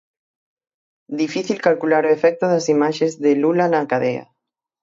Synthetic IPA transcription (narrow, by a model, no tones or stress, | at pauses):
d̪ifiθilkalkulaɾoefɛk̚t̪oðasimaʃezðelulanakaðea̰